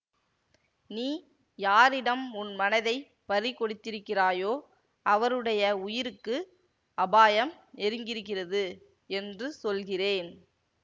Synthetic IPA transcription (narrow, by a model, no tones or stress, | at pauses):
niː | jaːɾɪɽɐmʊnmɐnɐðɐɪ | pɐɾikːɔɽɯt̪ːɪɾɯkːɪraːjoː | ɐʋɐɾɯɽɐjɐʊjɪɾɯkːɯ | ɐbaːjɐm | ɛɾɯŋɡɪɾɯɣɪrɐðɯ | ɛndrɯsɔlɣɪreːn